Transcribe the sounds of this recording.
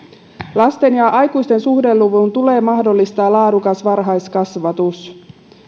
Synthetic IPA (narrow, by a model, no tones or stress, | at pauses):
lɑst̪e̞njɑʔɑjkujst̪e̞nsuhde̞lːuʋunt̪ule̞ːmɑɦdo̞lːist̪ɑːlɑːdukɑsʋɑrɦɑjskɑsʋɑt̪us